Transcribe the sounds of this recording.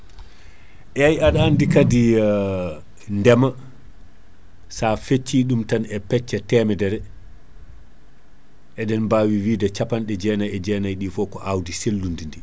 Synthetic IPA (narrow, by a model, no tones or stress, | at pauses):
ʔɛajaɗaːndikadi | ndɛma | safet͡ʃːiːɗumtanɛpɛt͡ʃːɛtɛmɛdɛɾɛ | ʔɛdɛnbaːwiwiːdɛt͡ʃapanɗɛd͡ʒɛnajɛd͡ʒɛːnajɗifɔkɔʔawdiselːundindi